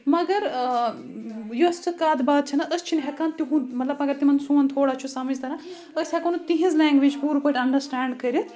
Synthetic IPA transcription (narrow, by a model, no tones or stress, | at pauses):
mɐɡɐɾ | juɐst͡ʃʰɐkaːd̪baːd̪̚t͡ʃʰɐnaʔəst͡ʃʰinɦɛkaːnt̪iɦũnmɐt̪lɐbɐɡɐɾt̪imɐnsũːɐnt̪ʰoːɽaːt͡ʃʰusɐmɐd͡ʒt̪ɐɾa | əsɦɛkɐnut̪iɦĩzlɛ̃ːŋɡʋid͡ʒpuːɾpəʈɐɳɖɐɾsʈaːɳɖkɐɾit̪